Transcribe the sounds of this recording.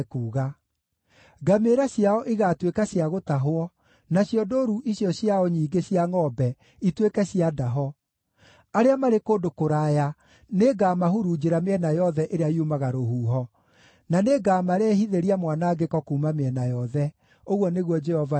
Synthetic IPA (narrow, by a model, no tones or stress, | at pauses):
kuːɣa | ɡameɾaɕjaɔʔiɣaːtwekaɕjaɣotaɦoɔ | naɕjɔdoːɾuʔiɕiɔɕjaɔɲiːɡeɕjaŋɔbɛ | itwekɛɕiadaɦɔ | aɾeamaɾekoːdokoɾaːja | neɡaːmaɦuɾud͡ʒeɾameɛnajɔðɛʔeɾeaiumaɣaɾohuːɦɔ | naneɡaːmaɾɛhiðeɾiamwanaɡekɔkuːmameɛnajɔðɛ | oɣwɔneɣwɔd͡ʒɛhɔva